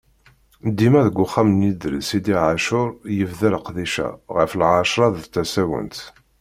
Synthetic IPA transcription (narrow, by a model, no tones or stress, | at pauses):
d̪ːimæðəɡʷːʊχːamnid̪ɾəsid̪iʕaʃʊɾˤjəvðəlqðiʃæ̰ʁəflʕaʃɾˤɑðt͡s̪ːæsæwə̰nt̪